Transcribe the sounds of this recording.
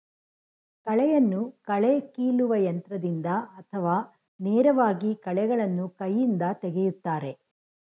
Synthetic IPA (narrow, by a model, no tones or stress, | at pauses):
kɐɭɛjɐnːukɐɭekiːɭuʋɐjɐnt̪ɾɐd̪ind̪ɐɐt̪ʰɐʋaː | neːɾɐʋaːɡikɐɭɛɡɐɭɐnːukɐjːind̪ɐt̪ɛɡejut̪ːaːɾe̞